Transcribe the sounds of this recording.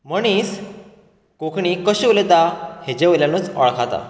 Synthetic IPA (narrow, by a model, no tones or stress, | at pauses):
məɳ̃is | kokʰɳikəɕəʋlet̪ahed͡ʑeʋəljanut͡sə̰ɭkʰat̪a̰